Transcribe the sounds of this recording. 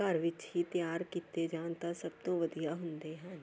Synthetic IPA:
aːɾʋɪt͡ʃɦit̪jaːɾkiːt̪ed͡ʒãːnt̪asɐb̚t̪õʋəd̪ijaɦʊ̃nd̪eɦɛ̃ː

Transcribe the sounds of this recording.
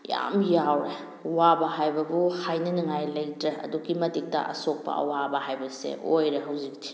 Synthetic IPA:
ja̰mjawɾe | wabɐɦajbɐbuhajnɐniŋajlɐjtɾeɐ̰duɡimɐdik̚tɐ̰ʔɐ̰sok̚pɐ̰ɐ̰wabɐhajbɐsḛʔojɾeɦɐwzik̚tʰi̥

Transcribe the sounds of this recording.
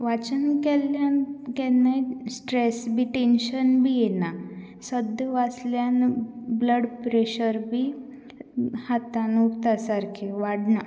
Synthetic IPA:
ʋat͡ɕənkɛljankɛnajsʈɾesbʱiʈenɕənbʱijena | səd̪əʋasljanbləɽpɾeɕəɾbʱi | hat̪anupt̪asaɾkʰeʋaɽna

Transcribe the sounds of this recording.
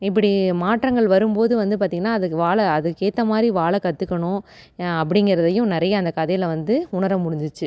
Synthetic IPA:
ɪp̬ːɐɽimaːʈɾɐŋɡɐɭʋɐɾɯmpoːðɯʋɐnd̪ɯpaːɾt̪iːŋɡɐnːaːɐðɯʋaːɭɐɐðɯkːeːt̪ːɐmaːd̪ɾiʋaːɭɐkɐt̪ːɯkːɐɳʊ̃ɐpːɐɽɪŋɡɪɾɐðɐjʊ̃nɪɾɐjɐːnd̪ɐkɐðɐjɪlʋɐnd̪ɯʊɳɐɾɐmːʊɽɪnd̪ɯt͡ʃːɯ

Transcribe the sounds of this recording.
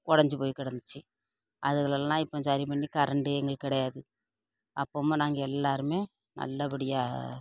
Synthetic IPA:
kɔɽɐɲd͡ʑɨpoːjikːɪɽɐnːit͡ɕːɨ | ɐðuɣɐɭɐɭːnaːipːɐːmt͡ɕaːɾipɐnːikɐɾɐɳɖɨeŋːɐɭkiɪɽɐjaːðɨ | ɐpːoːmɐnaːŋɡielːaːɾumeː | nʔɐ̰lːɐpiɽijaː

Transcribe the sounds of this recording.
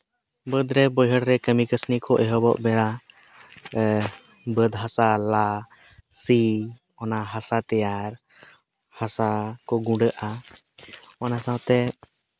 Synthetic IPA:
bəd̪ɾɛbəjɦəɽɾɛkəmikəsnikɔʔɛɦɔbɔ̰ʔbɛɽa | bəd̪ɦasala | si | ɔnaɦasat̪ɛjaɾ | hasakɔɡũɖəʔa | ɔnasãwt̪ɛ

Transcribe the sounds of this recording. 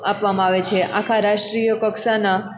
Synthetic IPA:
apʋamãaʋet͡ʃʰeʔakʰaɾaʃʈɾijəkɔksana

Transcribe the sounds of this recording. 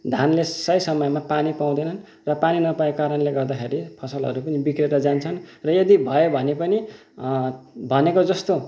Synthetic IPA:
d̪ʱanlesʌjsʌmʌjmapanipaw̃d̪ʌnʌn | rʌpaninʌpaekaɾʌnleɡʌrd̪akʰeɾipʰʌsʌlɦʌ̰ɾupʌnibikreɾʌd͡zant͡sʰʌnrʌjʌd̪ibʱʌobʱʌnepʌni | bʱʌnekod͡zʌst̪o

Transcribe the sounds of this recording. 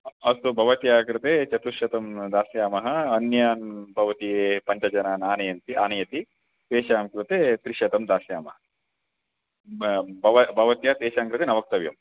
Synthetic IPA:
ɐst̪ubʱɐʋɐt̪jaːkɾɨt̪eːt͡ʃɐt̪uʃɐt̪ɐmd̪aːsjaːmɐɦɐ̆ɐnjaːnbʱɐʋɐt̪ijeːpɐɲt͡ʃɐd͡ʒɐnaːnaːnɐjɐnt̪iʔaːnɐjɐt̪i | t̪eːʃaːmkɾit̪eːt̪ɾiʂɐt̪ɐmd̪aːsjaːmɐɦɐ | bɐʋɐbʱɐʋɐt̪jaːt̪eːʃaːŋkɾɨt̪eːnɐʋɐk̚t̪ɐʋjɐ̰m

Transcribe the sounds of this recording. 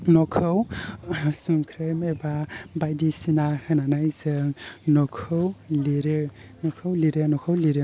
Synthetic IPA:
nɔkʰɯw | suŋkʰɾɯmebabajdisinahɯnanajzɯŋnɔkʰɯwliɾɯ | nɔkʰɯwliɾɯnɔkʰawliɾɯ

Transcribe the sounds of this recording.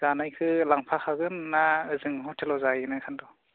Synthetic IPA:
zanajkʰɯlaŋpʰakʰaɡɯnːaɯzɯŋhɔtʰelɔwzajɯnɯkʰandɔ

